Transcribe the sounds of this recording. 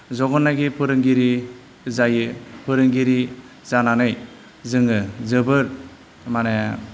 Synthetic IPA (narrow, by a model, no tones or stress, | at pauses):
zɔɡɔnːaɡipʰɯɾɯŋɡiɾi | zajɯpʰɯɾɯŋɡiɾi | zananɯj | zɯŋɯzɯbɯɾ | mane